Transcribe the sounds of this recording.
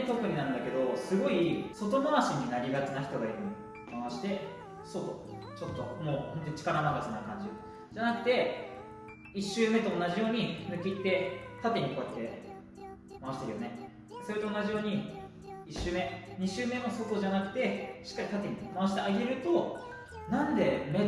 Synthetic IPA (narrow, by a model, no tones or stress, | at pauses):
t̪o̞kɯ̟ɲ̟inãɯ̃nd̪ake̞d̪o̞sɨɡo̞iso̞t̪̬o̞maβaɕiɲ̟inaɾʲiɡat͡sɨnaçit̪o̞ɡaiɾɯmo | maβaɕi̥t̪e̞ | sot̪o̞̰ | t͡ɕo̞t̪ːo̞̰mo̞ːhont̪o̞ɲit͡ɕi̥kaɾanaɡasɨnakãɲ̟d͡ʑi | d͡ʑanakɯ̟t̪e̞ | iɕːɨːme̞t̪oːnːaʑijo̞ːɲ̟inɯ̟kʲit̪ːe̞t̪at̪e̞ɲ̟iko̞ːjat̪ːe̞ | maβaɕi̥t̪e̞ɾɯ̟jo̞ne̞ | so̞ɾe̞t̪o̞ːnːaʑijo̞ːɲ̟i | iɕːɨːme̞ɲ̟iɕɨːme̞mo̞so̞t̪o̞ʑanakɯ̟̥t̪e̞ɕi̥kːaɾʲit̪at̪̬e̞ɲ̟imaβaɕi̥t̪eaɡʲeɾɯ̟t̪o̞ | nãnd̪e̞me